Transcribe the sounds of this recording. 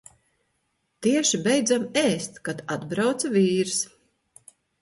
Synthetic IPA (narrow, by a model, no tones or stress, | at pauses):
t̪iɛʃibɛjd̪zamɛːst̪kad̪ad̪bɾawt̪saviːɾs